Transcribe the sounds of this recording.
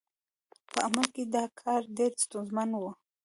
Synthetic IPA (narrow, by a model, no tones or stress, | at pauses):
pəaməlked̪ɑkʰɑɾɖeɾst̪unzmanwə